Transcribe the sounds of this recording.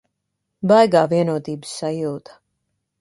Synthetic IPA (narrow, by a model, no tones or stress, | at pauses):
bajɡaːviɛnuɔt̪iːbɨ̥sːajuːt̪ḁ